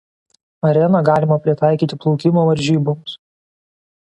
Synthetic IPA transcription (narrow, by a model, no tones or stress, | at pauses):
ɐɾʲɛnɐɡɑːlʲɪmɐpʲɾʲɪt̪ɑˑɪkʲiːt̪ʲɪplˠɔʊkʲɪmoːʋɐɾʲʒʲiːboms